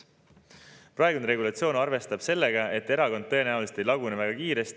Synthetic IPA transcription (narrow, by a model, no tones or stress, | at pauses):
pɾɑeɡunɾe̞ɡulɑt̪sio̞ːnɑrve̞st̪ɑb̥se̞lːeɡ̥ɑe̞t̪ːe̞ɾɑkond̪̚ɤe̞næumlset̪ejlɑɡunevæɡ̥ɑkiːɾe̞st̪